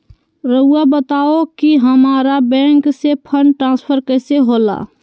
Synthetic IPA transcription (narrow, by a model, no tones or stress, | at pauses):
ɾəuabət̪aːokiɦəmaːɾabɛ̃ːŋksepʰəɳɖʈɾãːspʰəɾkɛseɦoːla̰ː